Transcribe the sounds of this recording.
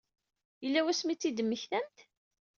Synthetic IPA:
jəlːæwæsmit͡sːid̪əmːəçθæmt̪

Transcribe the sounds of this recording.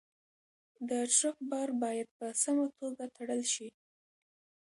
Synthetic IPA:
d̪əʈ͡ʂɾəxbɑɾbɑjad̪̚pəsamat̪ʰoɡat̪ʰaɽəlʃi

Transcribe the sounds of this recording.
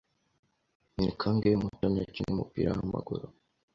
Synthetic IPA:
nikʰaŋɡemutomaciŋumupiɾa̰wama̰ɡuɾo

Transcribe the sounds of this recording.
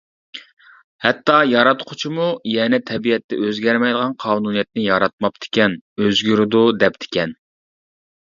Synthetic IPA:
hɛt̪ːɑjɑɾɑt̪qʰʊ̥t͡ʃʰimujɛnɛt̪ʰɛbiɛt̪ːɛ̰ʔøzɡʲɛɾmɛjd̪əʁɑnqʰɑːnunijɛt̪̚nɪjɑɾɑt̪̚mɑp̚t̪ʰɪ̥kʲɛnøzɡʲyɾɪd̪ud̪ɛp̚t̪ʰɪ̥kʲɛn

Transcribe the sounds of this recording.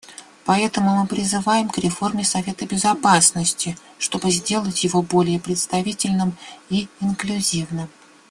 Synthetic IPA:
pɐɛt̪əmʊmɨpɾʲɪzɨvajɪmkɾʲɪfo̞rmʲɪsɐvʲe̞t̪əbʲɪzɐpasnəsʲtʲɪ | ʂt̪o̞bɨzʲdʲe̞lˠətʲjɪvo̞bo̞lʲɪjəpɾʲɪt̪st̪ɐvʲitʲɪlʲnɨmiɪnklʲʉzʲivnɨm

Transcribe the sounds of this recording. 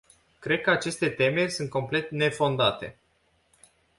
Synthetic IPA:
kɾe̞d̪̚kəat͡ʃe̞st̪e̞t̪e̞me̞rʲsunt̪̚ko̞mple̞t̪ne̞fo̞nd̪at̪e̞̰

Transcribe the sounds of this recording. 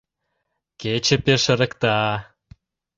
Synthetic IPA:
ket͡ɕĕpeʃə̆ɾə̆kt̪ɑ

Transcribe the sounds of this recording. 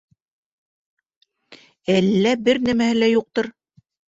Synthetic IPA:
ælːæbɘɾnæmæhɘlæjuq̚t̪ɤɾ

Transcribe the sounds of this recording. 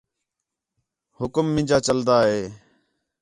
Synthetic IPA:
hʊkmːɪ̃d͡ʒaːt͡ʃəld̪aːɦeː

